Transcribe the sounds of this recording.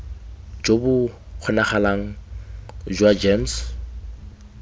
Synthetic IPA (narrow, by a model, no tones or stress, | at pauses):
d͡ʒobʊ | q͡χʰʊnaχalaŋ̩ | d͡ʒwad͡ʒems